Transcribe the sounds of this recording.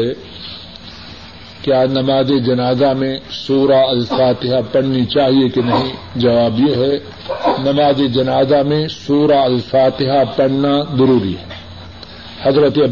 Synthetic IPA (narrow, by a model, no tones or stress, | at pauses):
ɛ | kjaːnɐmaːzed͡ʒɐnaːzamẽsuːɾaɐlfaːt̪ɪɦapɐɽ̤nit͡ʃaːɦiekenɐɦĩd͡ʒɐʋaːbjeɦɛ | nɐmaːzed͡ʒɐnaːzamẽsuːɾaɐlfaːt̪ɪɦapɐɽ̤nazɐɾuːɾḭɦɛ | hɐzɾət̪eɐ